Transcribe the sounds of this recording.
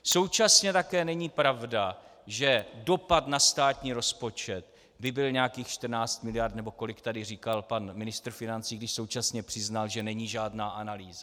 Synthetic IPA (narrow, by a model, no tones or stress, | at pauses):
so̞wt͡ʃasɲɛt̪akɛːnɛɲiːpɾavdaʒɛdo̞pat̪nast̪aːt̪ɲiːɾo̞spo̞t͡ʃɛt̪ | bɪbɪlɲɛakiːxʃt̪rnaːt͡st̪mɪlɪjart̪nɛbo̞ko̞lɪkt̪adɪriːkalpanmɪnɪst̪r̩fɪnant͡siːɡdɪʃso̞wt͡ʃasɲɛpr̥ɪznalʒɛnɛɲiːʒaːdnaːʔanaliːza